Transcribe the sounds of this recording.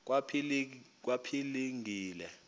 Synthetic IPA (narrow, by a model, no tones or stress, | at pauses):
k̬wapʰilk̬wapʰiliŋʱiːlɛ